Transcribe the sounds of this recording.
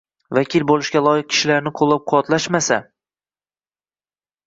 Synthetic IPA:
vakʲʰilbolˠɪʃɡʲalˠɒjɪq̚kʲʰɪ̥ʃɪlaɾnɪqʰolˠːap̚qʰʊwat̪laʃmasa̰

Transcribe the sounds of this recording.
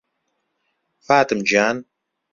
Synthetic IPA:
faːt̪ɨmd͡ʒaːn

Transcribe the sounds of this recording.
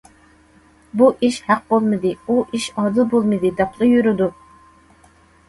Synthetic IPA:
buʔiʃhæq̚bolˠmɨd̪ɨuʔiʃɑd̪ɨlˠbolˠmɨd̪ɨd̪ɛpʰlˠɨjyɾyd̪u

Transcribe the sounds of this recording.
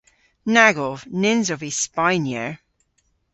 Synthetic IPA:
naɡɔvnɪnzɔvispajnjə̰ɹ

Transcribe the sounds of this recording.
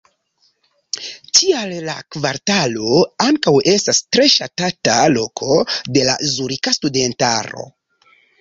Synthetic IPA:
tʰialːakvaɾtalo̞aŋkawe̞stastɾe̞ʃatatalo̞kʰo̞de̞la̰zuɾikastude̞nta̰ɾo̞̰

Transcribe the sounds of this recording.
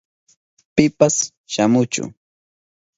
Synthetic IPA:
pɪpas | ʃamʊt͡ʃʊ̰

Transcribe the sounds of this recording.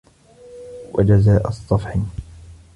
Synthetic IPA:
wa̰d͡ʒazaːʔɑsˤːɑfħɪ

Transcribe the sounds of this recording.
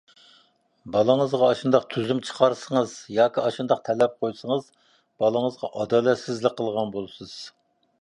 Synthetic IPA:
bɑlˠəŋəzʁɑːʃund̪ɑq̚t̪ʰyzymt͡ʃʰə̥qʰɑɾsəŋəzjɑːkʲiɑʃund̪ɑqt̪ʰɛlɛp̚qʰojsəŋəz | b̥ɑlˠəŋəzʁɑʔɑd̪ɑːlɛt̪sɪzlɪk̚ʲqʰːəlˠʁɑnbolˠɨsɨz̥

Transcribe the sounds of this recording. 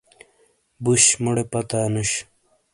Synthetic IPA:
buɕmoɽepɐt̪aːnuɕ

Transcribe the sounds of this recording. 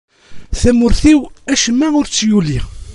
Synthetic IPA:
θæmʊɾθiwæʃəmːæʊɾt͡sːjuli

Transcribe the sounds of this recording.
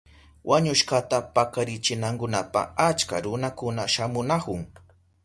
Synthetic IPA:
wʔaɲʊʃkat̪apakaɾɪt͡ʃɪnaŋkʊnapa̰at͡ʃka̰ɾʊnakʊnaʃamʊnakʊŋ

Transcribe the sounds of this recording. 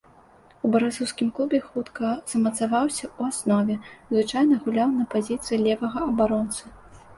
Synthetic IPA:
ubɐɾasuwskʲimklˠubʲɛxut̪kɐz̥ɐmɐt̪savawsʲɐuasnɔvʲɛzvɨt͡ʂajnɐɣulʲawnɐpazʲit̪sɨjilʲɛvɐɣɐɐbaɾɔnt̪sɨ

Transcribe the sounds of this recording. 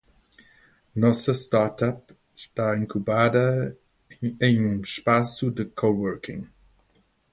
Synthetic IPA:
nɔsɐstaɾtʰap | ʃtaːiŋkʰubaːdɐ | ejnunʃpasudəkʰowɜɾkʰɪ̰̃ŋ

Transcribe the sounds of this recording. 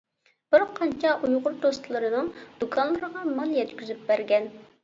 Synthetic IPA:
b̥ɪɾqʰɑnt͡ʃʰɑʔujʁʊɾd̪ost̪ʰɨlˠɨɾɨnɨŋd̪̥ukʰɑnlːˠɨɾəʁɑmɑnjɛt̪kʲyzyp̚bæɾɡʲɛn

